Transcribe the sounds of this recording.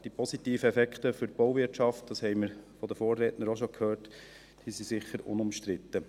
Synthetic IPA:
d̥ipʰɔsitiːfəɛfɛkχtəfʏɾb̥oʊvɪɾtt͡ʃɑft̚d̥ɑshɛɪməɾfɔd̪əfoːrːɛːtnəɾoʃokʰhøːɾt | d̥iːsisɪχəɾʊ̰nʊmʃtɾɪt̪ːə

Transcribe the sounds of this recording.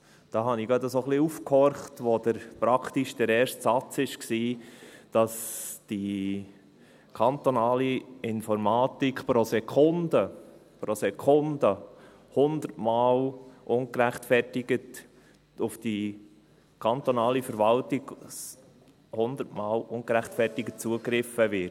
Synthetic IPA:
d̥ɑːɦɑniɡɑd̪əsoχliufkhɔɾχtʋod̪əɾpɾɑkʰtiʃd̥əɾɛːɾstsɑt͡sɪʃksiːd̥ɑsd̥i | kʰɑnt̪onɑːliɪnfɔɾmɑːtikχpɾosɛkʰʊndə | pɾosɛkʰʊndə | hʊnd̪əɾtmɑːlʔʊŋkɾæχtfɛrtɪɡət | ʊfd̥i | kʰɑnt̪onɑːlifəɾʋɑltiɡ | hʊnd̪əɾtmɑːlʊnkɾæχtfɛrtɪɡət̚t͡suəkɾɪfəvɪɾt

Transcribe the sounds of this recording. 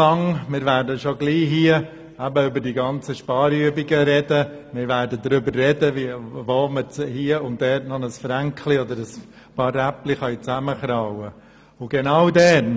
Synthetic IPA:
ɑŋmɪɾvæːɾdəʃoɡliːɦiə | æbəʏbədiːɡɑnt͡səʃpɑːɾyəbiɡəɾɛdə | mɪːɾvæːɾdədɾʏbərrɛdəvivoːmət͡shiəʊntdɛːtnɔnəsfɾæŋkliɔd̪əɾəs | pɑræpliχɑjt͡sæməχɾawə | ʊɡ̥ɛnaʊdɛn

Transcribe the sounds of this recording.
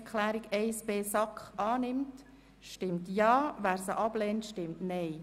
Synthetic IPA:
kʰlæːɾiɡɛɪsb̥eːsɑkχʔɑːnɪmt | ʃtɪmtjɑːʋæːɾsəʔɑb̥lɛːntʃtɪmtnɛɪ

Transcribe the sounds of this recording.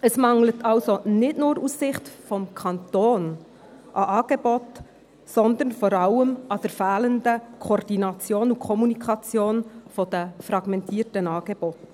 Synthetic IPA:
əsmɑŋlətʰɑlsonɪtnʊːɾussɪχtfɔmkʰɑnt̪oːn | ʔɑʔɑːɡ̥ebot | sɔnd̪əɾnfɔɾɑləmɑd̪̥əɾfæːləndəkʰɔːrd̥inɑt͡sjoːnukʰɔmunikʰɑt͡sjoːnfɔd̥̪əfɾɑɡ̥mɛntʰiːtənɑːɡ̥eb̥ot

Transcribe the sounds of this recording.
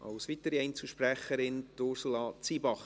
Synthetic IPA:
ɑ̰wsʋit̪əɾiɛɪnt͡suʃpɾæχəɾɪntʊɾsulɑːt͡siːbɑχ

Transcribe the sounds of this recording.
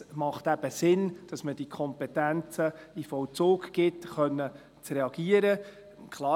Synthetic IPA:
mɑχt̪æb̥əsɪnd̥ɑsməd̥ikʰɔmpɛtænt͡səifɔwt͡soːkɡɪtχœnːə | t͡srɛɑɡ̥iəɾə | kʰlˠɑː

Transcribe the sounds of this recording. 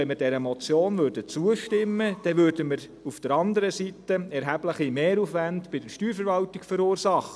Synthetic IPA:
ɛnmədɛɾəmɔt͡sjoːnvøɾdət͡suəʃtɪmːəd̥ɛʋvøːɾdəməɾ | ufd̥əɾɑndəɾəsitəɛɾɦæbləχimeːɾufʋændb̥ɪdəʃtyːɾfəɾvɑltɪkfəɾuːɾsɑχə

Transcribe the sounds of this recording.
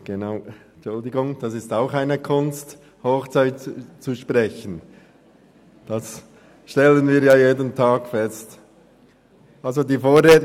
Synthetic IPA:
ɡ̥enaʊ | t͡ʃʊldɪɡʊŋd̥ɑsɪstaʊxaɪnəkʰʊnst | hoːxt͡saɪtt͡suʃprɛçən | d̥ɑs | ʃtɛlənviːɾjaːjeːdəntʰaːɡfɛst | ʔalzodiːfoːreːt

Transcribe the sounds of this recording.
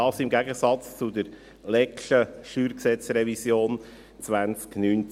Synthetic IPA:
ɑːsɪmɡæɡəsɑt͡st͡sʊd̪əɾ | lɛkʃəʃyːɾksɛt͡srɛvisjoːn | t͡sʋænt͡sknyːn

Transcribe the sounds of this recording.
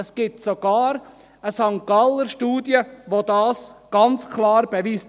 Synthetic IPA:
əsɡ̥ɪtsoɡ̥ɑːɾ | əsɑŋkɑləɾʃtuːdjəʋodɑːsɡ̥ɑnt͡skʰlɑːɾb̥eʋiːst

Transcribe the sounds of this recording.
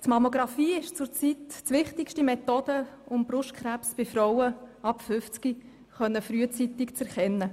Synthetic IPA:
tmɑmoɡɾɑfiːɪʃt͡sʊɾt͡sittʋɪχtɪkʃtimɛt̪oːd̪̥əʊmb̥rʊʃt̚kʰɾæpsb̥ɪfɾɔwəɑpfʏft͡ski | χœnːəfɾyət͡sit̪ɪkt͡sɛɾχɛnːə

